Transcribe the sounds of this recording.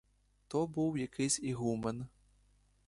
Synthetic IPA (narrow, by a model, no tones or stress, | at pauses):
t̪ɔbɨwjakʰɨsʲiɣumɐn